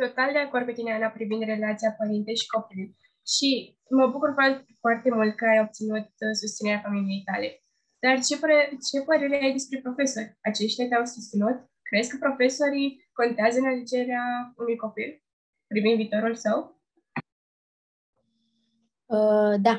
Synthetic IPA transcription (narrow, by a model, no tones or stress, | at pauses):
t̪o̞t̪ald̪e̞ako̞rd̪ket̪ineanapɾivind̪re̞lat̪sijapəɾint̪e̞jʃi̥ko̞piluj | ʃi | məbukurfafoart̪e̞mult̪̚kəajo̞b̚t̪sinut̪̚sust̪sine̞ɾeafamilijejt̪a̰le̞ | d̪̥art͡ʃe̞pet͡ʃe̞pəɾe̞ɾeajd̪e̞spɾe̞pɾo̞fe̞so̞rʲat͡ʃe̞ʃt̪jat̪eawsust̪sinut̪̚ | kɾezkəpɾo̞fe̞so̞ɾi | ko̞nt̪eazəɨnaled͡ʒe̞ɾeaunujko̞pil | pɾivind̪viːt̪o̞ɾulsəw | əd̪a